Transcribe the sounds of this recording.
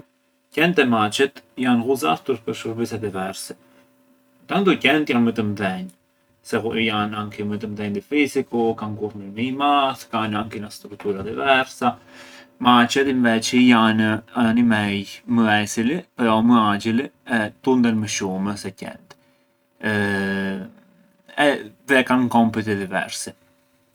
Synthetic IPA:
cɛnt̪ɛmat͡ʃɛt̪janɣuza̰ft̪uɾpəɾʃuɾbisɛd̪ivɛɾsɛ | t̪ant̪ɔcɛnt̪janmət̪əmðɛɲ | sɛujanaŋkimət̪əmðɛɲd̪ifizikukankuɾməɾməimaθkanaŋkinast̪ɾuk̚t̪uɾad̪ivɛɾsamat͡ʃɛt̪iɱvɛt͡ʃijanaanimɛjməɛsilipɾɔməad͡ʒiliɛt̪und̪ɛlməʃuməsɛcɛ̰nt̪ | ɛðɛkankɔmpit̪̬ɛd̪ivɛ̰ɾsi

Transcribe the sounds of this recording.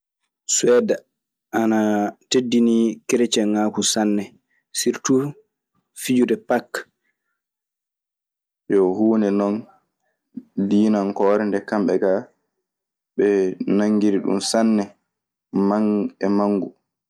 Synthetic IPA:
swɛːda | ʔanatedːinikeɾet͡ʃɛŋaːkusanːɛ | siɾtu | fid͡ʒudɛpakː | jɔhuːnɛnɔn | diːnankɔːɾɛndɛkamɓɛɡa | ɓɛnaŋːɡiɾiɗṵmsanːɛ | maŋɛmaŋːɡu

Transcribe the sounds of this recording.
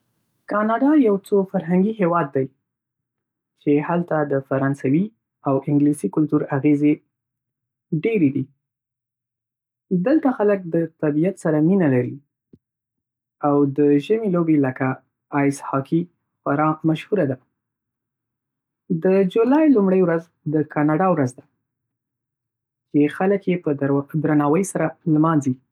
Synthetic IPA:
kɑnɑɖɑjawt͡sofaɾɦaŋɡiɦewɑd̪ːaj | t͡ʃehalt̪ad̪əfaɾɑnsawi | awʔɪŋɡlisikʊlt̪uɾaɣeze | ɖeɾed̪i | d̪əlt̪axalək̚d̪ət̪abijat̪saɾaminalaɾi | awd̪əʒəmilobeləkaː | jshɑki | faɾɑmaʃhuɾad̪a | d̪əd͡ʒulɑjlumɽəjwɾaz | d̪əkʰɑnɑɖɑwɾazd̪a | t͡ʃexaləkjepəd̪d̪ɾanɑwəjsaɾalmɑnzi

